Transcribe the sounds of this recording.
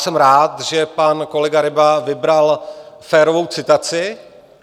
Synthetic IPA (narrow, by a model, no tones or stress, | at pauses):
sɛmɾaːt̪ʒɛpanko̞lɛɡaɾɪbavɪbɾalfɛːɾovo̞wt͡sɪt̪at͡sɪ